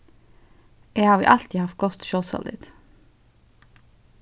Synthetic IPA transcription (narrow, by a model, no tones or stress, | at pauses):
ʔeːhɑːʋḭʔɑlt̪iːhɑft̪̚ɡɔt̪ʃøːlsɔ̰ld̪ɪ̰t̪